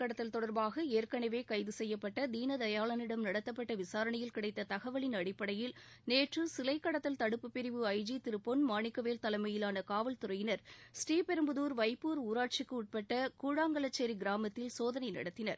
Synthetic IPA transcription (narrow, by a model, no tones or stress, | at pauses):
kɐɽɐt̪ːɐlt̪ɔɽɐɾbaːɣɐeːɾkɐɳɐʋeːkɐɪðɯsɛjːɐpːɐʈːɐd̪iːnɐd̪ɐjaːɭɐnɪɽɐmnɐɽɐt̪ːɐp̬ːɐʈːɐʋɪsaːɾɐɳɐjɪlkɪɽɐɪt̪ːɐt̪ɐɣɐʋɐɭɪnɐɽɪpːɐɽɐjɪlneːʈrɯsɪlɐɪkːɐɽɐt̪ːɐlt̪ɐɽɯpːɯpːɪɾɪʋɯɐɪd͡ʒit̪ɪɾɯpːonmaːɳɪkːɐʋeːlt̪ɐlɐɪmɐjɪlaːnɐkaːʋɐlt̪ʊɾɐjɪnɐɾsʈiːpɛɾɯmbɯðuːɾʋɐɪpːuːɾuːɾaːʈ̚t͡ʃɪkːɯʊʈ̚pɐʈːɐkuːɻaːŋɡɐɭɐt͡ʃːeːɾiɡɪɾaːmɐt̪ːɪlsoːðɐnɐɪnɐ̰ɽɐt̪ːɪnɐɾ